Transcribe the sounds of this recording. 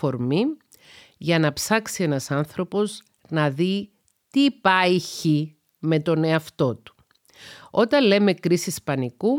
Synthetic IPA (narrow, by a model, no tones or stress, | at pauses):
o̞ɾmi | ʝɐnɐpsɐksie̞nɐsɐnθɾo̞po̞z | nɐði | t̪ipɐjiçi | me̞t̪o̞ne̞ɐft̪o̞t̪u̥ | o̞t̪ɐnle̞me̞kɾisispɐniku